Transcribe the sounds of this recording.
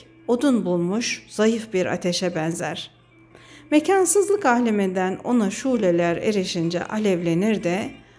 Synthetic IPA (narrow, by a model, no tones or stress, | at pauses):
o̞d̪unbulˠmuʃz̥ajɯfbiɾa̰t̪ʰe̞ʃɛbɛnzæɾ̥ | mecʰansɯzlˠɯkahlʲemind̪æno̞̰naʃulʲelʲæɾḛɾeʃind͡ʒɛ̰ʔalʲɛvlʲe̞niɾd̪ɛ